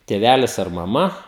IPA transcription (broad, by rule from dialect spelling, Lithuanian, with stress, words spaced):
tʲeːˈʋʲælʲɪs ɐr mɐˈmɐ